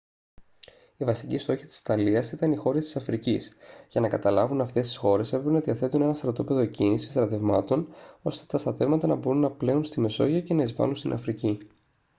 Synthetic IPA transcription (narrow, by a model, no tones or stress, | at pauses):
ivɐst̪icist̪o̞çit̪i̥si̥t̪ɐliɐsit̪ɐnixo̞ɾest̪i̥sɐfɾicisʝɐnɐkɐt̪ɐlɐvunɐft̪e̞st̪isxo̞ɾe̞se̞pɾepenɐðiɐθe̞t̪une̞nɐst̪ɾɐt̪o̞pe̞ðo̞cinisi̥st̪ɾɐt̪e̞vmɐt̪o̞no̞st̪e̞̥t̪ɐst̪ɐt̪e̞vmɐt̪ɐnɐboɾunːɐple̞unst̪ime̞so̞̰ʝɐce̞nɐizvɐ̰lunst̪inʔɐ̰fɾici